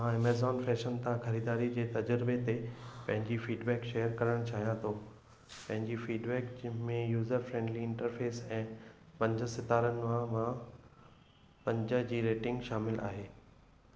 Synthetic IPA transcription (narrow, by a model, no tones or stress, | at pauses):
mãemeːzɔːnfɛːʃənt̪ʰãxɐɾiːd̪aːɾid͡ʑeːt̪ɐd͡ʑəɾɪbet̪epɐ̃ɦɪ̃ɲd͡ʑifiːɖbɛːkʃeːjəɾkɐɾəɽ̃t͡ɕʰaːɦijãt̪ʰoː | pɐ̃ɦɪ̃ɲd͡ʑifiːɖbɛːkmẽjuːzəɾfɾẽːɳɖliɪ̃ɳʈəɾfeːsɛ̃ː | pɐ̃ɲd͡ʑə̆sɪt̪aːɾənɪ̆mãmã | pɐ̃ɲd͡ʑəd͡ʑiːɾeːʈɪ̃ŋɡʃaːmɪlʔa̰ːɦeː